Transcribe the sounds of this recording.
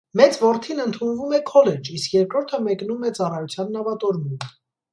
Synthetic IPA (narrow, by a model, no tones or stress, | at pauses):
mɛt͡svɔɾt̪ʰinənt̪ʰunvumɛkʰɔlɛd͡ʒiskjɛɾkɾɔɾt̪ʰəmɛknumɛt͡sɑrɑjut͡sʰjɑnːɑvɑt̪ɔɾmunə